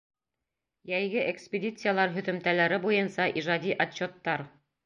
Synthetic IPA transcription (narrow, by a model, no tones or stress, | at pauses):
jæjɡɘʔekspʲedʲit̪sɨjalˠɑɾɦɵ̆ðɵ̆mt̪ælæɾɘbujɤnsɑʔiʒɑd̪ʲiʔɐt͡ɕːo̞t̪ːɑɾ